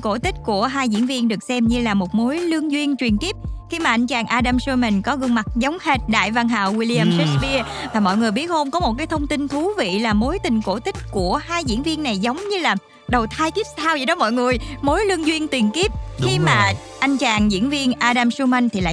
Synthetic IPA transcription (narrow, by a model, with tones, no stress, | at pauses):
ko˧˩t̪ï˦˥k̟̚ku˧˩əɦaː˧jzḭ˧˥ənvi˧ənɗɨ˨˩ək̚sɛ˧mɲɨ˧laː˨˩mo˨˩t̚mo˨˦jlɨ˧əŋzwi˧ənt͡ɕwi˨˩ənki˦˥əp̚xi˧maː˨˩ʔa˧jŋ̟t͡ɕaː˨˩ŋʔaː˧ɗaː˧msu˧ma˨˩nkɔ˨˦ɣɨ˧ŋma˨˩t̚zə˨˦wŋ͡mhe˦˥t̚ɗa̰ː˧˨jva˧nɦa̰ː˧˨wwi˧li˧aː˧msɛ˦˥t̚ɓi˧əvaː˨˩mɔ̰˧˨jŋɨ˨˩əjɓi˦˥ət̚ho˧mkɔ˨˦mo˨˩t̚kaː˨˦jt̪ʰə˧wŋ͡mt̪ï˧nt̪ʰu˨˦vḭ˧˨laː˨˩mo˨˦jt̪ï˨˩ŋko˧˩t̪ï˦˥k̟̚ku˧˩əhaː˧jzḭ˧˥ənvi˧ənːa˨˩jzə˨˦wŋ͡mɲɨ˧laː˨˩ | ɗə˨˩wt̪ʰaː˧jk̪i˦˥əp̚saː˧wzi˨˩ɗɔ˨˦mɔ̰˧˨jŋɨ˨˩əjmo˨˦jlɨ˧əŋzwi˧ənt̪wi˨˩ənki˦˥əp̚xi˧maː˨˩ | ʔa˧jŋ̟t͡ɕaː˨˩ŋzḭ˧˥ənvi˧ənʔaː˧ɗaː˧msu˧ma˧jŋ̟t̪ʰi˨˩la̰ː˧˨